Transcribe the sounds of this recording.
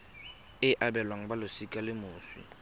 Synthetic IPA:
ɪʔabɛlwaŋ̩balʊsikʼalɪmʊːswḭ

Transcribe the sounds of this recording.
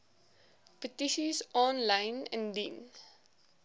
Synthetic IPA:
pətiʃizɔnlãɪnɛ̰̃ndĩn

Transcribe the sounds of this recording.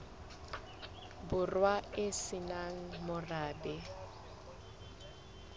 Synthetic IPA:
bʊrwaɪsɪnaŋ̩mʊraːbɛ

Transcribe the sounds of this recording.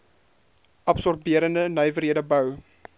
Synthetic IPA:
ʔɐpsɔrbiəɾəndənœjvəɾɦiədəbəw

